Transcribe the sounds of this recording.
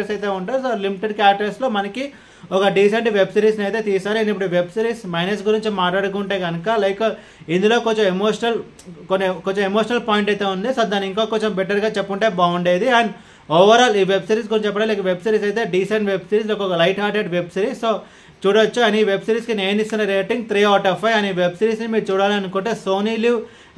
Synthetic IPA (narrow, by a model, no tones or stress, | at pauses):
ɐɾsɐjt̪e̞ːuɳʈaːɾusoːlimiʈeɖ̚kaːʈɐɾslo̞ːmɐnɐki | ɔkɐɖiːseɳʈʋe̞bsiɾiːsnɐjt̪eːt̪iːsaːɾuenip̬ːuɽuiʋe̞bsiɾiːsmɐjnɐs̬ɡuɾiɲt͡ʃimaːʈlaːɽukuːɳʈeːɡɐnɐkalɐjk | ind̪ulo̞ːkoɲt͡ʃɐmemoːʂɐnɐl | konːikoɲt͡ʃomemoːʂɐnɐlpaːjiɳʈɐjt̪eːund̪isoːd̪aːnːiŋkoːkoɲt͡ʃɐmbɛʈːɐɾɡaːt͡ʃɛpːuɳʈeːbaːuɳɖeːd̪iaːn | oːʋɐɾaːliːʋebsiɾiːs̬ɡuɾinɲt͡ʃɐpːɐɽalɐjkɐʋe̞bsiɾiːs̬ɐjt̪eːɖiːsɐnɖʋe̞bsiɾiːs̬lokɔkɐlɐjʈɦaːɾʈeɖʋebsiɾiːssoː | t͡ʃuːɽɐt͡ʃːuɐniiʋe̞bsiɾiːskineːnisinɐɾeːʈiŋɡt̪ʰɾiːɔːʈɐpɐjɐniiʋebsiɾiːsnimiːɾut͡ʃuːɽaːliɐnukuɳʈeːsoːniːli